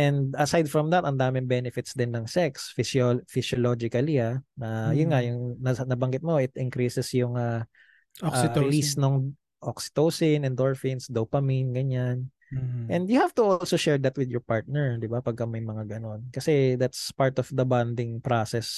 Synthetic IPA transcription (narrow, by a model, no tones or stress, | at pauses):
ʔɛ̃nd̪ɐsajd̪̚fɹɐmd̪ɐt̪ɐnd̪aːmɪŋbɛnɪfɪt̪sd̪ɪnːɐŋsɛksfɪsofɪsjolod͡ʒɪkɐlianɐjʊnŋajʊŋnɐnɐbɐŋɡɪt̪̚mo̞ɪt̪ɪŋkɾisɛsjʊŋɐ | ʔaːɪlisnoŋ | ʔoksɪ̥t̪owsɪnɛnd̪oɹfɪnsd̪opɐminɡɐɲan | ʔɛ̃nd̪jʊhaft̪ʊʔolsoʃɛɹd̪ɐt̪wɪd̪jɔɹpaɹt̪̚nɛɹd̪ɪbapɐɡ̚kːɐmɐjmɐŋaɡɐno̞nkɐsɛd̪at̪spaɹt̪ɔfd̪ɐbãnd̪ɪŋpɹasɛs